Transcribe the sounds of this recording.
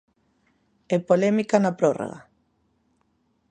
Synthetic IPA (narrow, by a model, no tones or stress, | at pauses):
epolɛmikanapɾoro̰ɣa̰